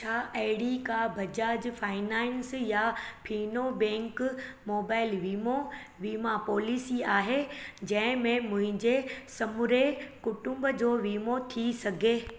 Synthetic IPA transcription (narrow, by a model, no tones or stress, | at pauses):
t͡ɕʰaːʔɐɦɪɽikabʱɐd͡ʑaːd͡ʑfaːɪnaːɪnsjapʰiːnobɛ̃ːŋkmoːbaːɪlʋiːmo | ʋiːmapɔːlisiaːɦed͡ʑɐ̃ɦɪ̃mẽmʊ̃ɦɪ̃ɲd͡ʑesɐmʊɾekʊʈʊ̃mbəd͡ʑoːʋiːmot̪ʰisɐɡʱeː